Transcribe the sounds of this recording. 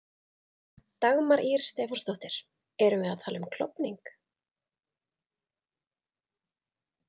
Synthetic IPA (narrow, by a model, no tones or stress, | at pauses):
t̪aɣmaɾʔiɾ̥st̪ɛːfɔrst̪owht̪ɪɾ̥ | ɛɾʏmvɪðaðt̪ʰaːlʏmkʰlɔ̰pniŋk